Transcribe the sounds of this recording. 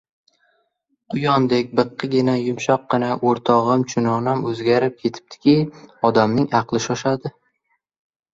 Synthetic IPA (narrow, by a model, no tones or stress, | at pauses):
qʰʊjɒnd̪ekʲbɨqʰːɨɡʲɪnajʊmʃɒqːɨnaʔoɾt̪ʰɒʁɨmt͡ʃʰʊnɒnamɵzɡʲaɾɪp̚kʲʰe̞t̪ʰɪ̥p̚t̪ʰɪ̥kʲɪɒd̪amnɪŋɑqlˠɪʃɒʃad̪ɪ